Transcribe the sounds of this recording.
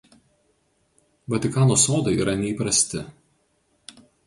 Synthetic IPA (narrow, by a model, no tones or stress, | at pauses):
ʋɐt̪ʲɪkɑːnoːsoːd̪ɐɪiːɾɐnʲɛiːˑpɾɐsʲt̪ʲɪ